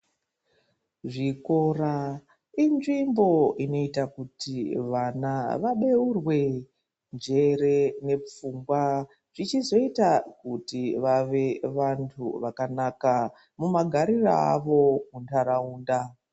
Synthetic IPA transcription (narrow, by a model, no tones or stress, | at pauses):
ʐiko̞ra | inʐimbo̞ino̞itakutiʋanaʋaɗe̞urwe̞ | nd͡ʒe̞re̞ne̞p͡fuŋɡwa | ʐ̥it͡ʃizo̞itakutiʋaʋe̞ʋantʰṵʋakanaka | mumaɡʱaɾira̰a̰ʋo̞muntʰaɾauːnda